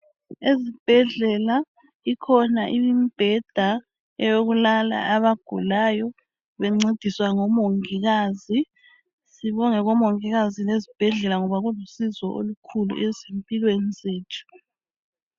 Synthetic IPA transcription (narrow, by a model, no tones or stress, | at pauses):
ezib̥ʱɛɮɛla | ikʰɔnaʔimb̥ʱɛd̥ʱa | ɛjoɣulala̰ʔaβaɡ̥ʱṵlajɔ | βɛŋ͡ǀed̥ʱiswaŋɔmoŋiɣaːzi | siβɔŋɛɣɔmoŋiɣazilezib̥ʱɛɮɛlaŋɔβaɣulusizɔʔo̰lukʰulṵʔezempʼilwenizeːtʰu̥